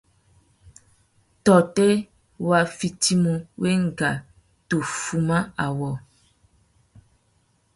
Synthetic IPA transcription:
tɔ˨te˦ | wa˨fi˨ti˦mũ˨wʔe˦ŋ̩˨ɡa˨ | to˨fu˨mã˦a˨wɔ˨

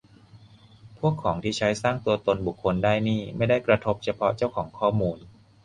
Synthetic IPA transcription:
pʰu˥˩əkʰːɔː˩˦ŋt̪ʰiː˥˩t͡ɕʰa˦˥jsaː˥˩ŋt̪u˧ɐt̪o˧nbu˨˩kʰːo˧ndaː˥˩jniː˥˩ma˥˩jda˥˩jkɾa˧t̪ʰo˦˥p̚t͡ɕʰa˧pʰɔ˦˥t͡ɕa˥˩wkʰɔː˩˦ŋkʰɔː˥˩muː˧n

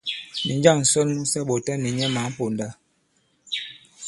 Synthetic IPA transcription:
ni˨nd͡ʒa˦˨ŋn̩˨sɔ˦nmu˦sɛ˦ɓo˨tɛ˦nːi˨ɲɛ˦ma˨˦m̩˦po˨nda˦

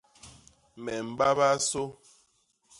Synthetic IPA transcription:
mɛ˨m̩˨ba˦ba˦so˦

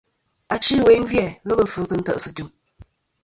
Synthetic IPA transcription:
a˨t͡ʃi˦˨we˨˦n˦vjɛ˦˨ɣə˦bə˨fɨ˨˦kɨ˦n̩˦tə̰˦ʔsɨ˨tu˦˨ŋ

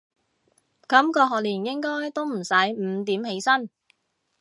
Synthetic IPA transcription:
kɐ˨˥mkɔː˧ɦɔː˨˩k̚liː˨˩njɪ˥ŋkɔː˥jt̪o˥wm̩˨˩sɐ˨˥jm̩˨˧˥t̪iː˨˥mhe˨˥jsɐ˥n

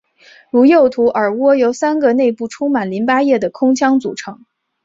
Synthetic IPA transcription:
ɻu˧˥jo˥˩ʊt̪ʰu˧˥ʔə˞˨˩wɔ˥jo˧˥ʊsa˥nɡə˧ne˥˧ɪpu˥˩ʈ͡ʂʰʊ˥ŋma˨˩nli˧˥npa˥jɛ˥˩d̪ə˩kʰʊ˥ŋt͡ɕʰjɑ˥ŋt͡sṵ˨˩ʈ͡ʂʰɤ˧˥ŋ

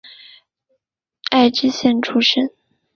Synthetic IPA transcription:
a˥˩ɪʈ͡ʂɻ̩˥ɕjɛ˥˩nʈ͡ʂʰu˥ʂə˥n

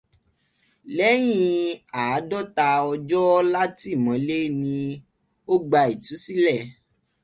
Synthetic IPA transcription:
lɛ˦j̃ĩ˦˧aː˨˦dɔ˦˨ta˧ɔ˧d͡ʒɔ˦la˦ti˦˨mɔ̃˨˦le˦nĩ˧ | o˦ɡ͡ba˧i˨tu˨˦si˦lɛ˦˨

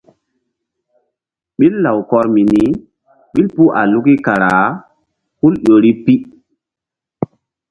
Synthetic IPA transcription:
ɓi˦lːa˨wkɔ˦ɾmi˨ni˦ | ɓi˦lpu˦ʔa̰˨lu˦ki˦ka˨ɾa˨ | hu˦lɗo˨ɾi˦pi˦

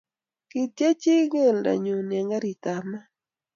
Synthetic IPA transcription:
ki˨tja˦t͡ʃi˦ŋe˦˨lda̰˨ɲo˨na˨ŋɡa˦ɾi˨t̪a˨ma˦

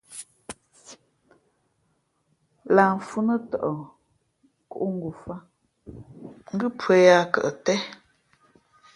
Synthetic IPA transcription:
laː˨ɱ˨fu˦nə˦tɔ̰˨ʔɔ˨ | ku˦˨ʔu˦ŋ̩˦ɡu˨fa˦ | ŋ̩˦ɡɨ˦pwe˨˦ja˦kə̰˨ʔə˨tɛ˦

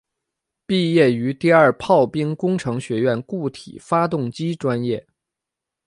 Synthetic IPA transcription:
pi˥˧jɛ˥˩y˧˥t̪i˥˧ɐ˞˥˧pʰɑ˥˩ʊpi˥ŋkʊ˥ŋʈ͡ʂʰɤ˧˥ŋɕɥɛ˧˥ɥɛ˥˩nku˥˩t̪ʰḭ˨˩fa˥t̪ʊ˥˩ŋt͡ɕi˥ʈ͡ʂwa˥njɛ˥˩

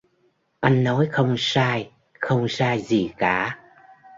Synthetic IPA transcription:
ʔa˧jŋ̟nɔ˨˦jxə˧wŋ͡msaː˧j | xə˧wŋ͡msaː˧jzi˨˩kaː˧˩

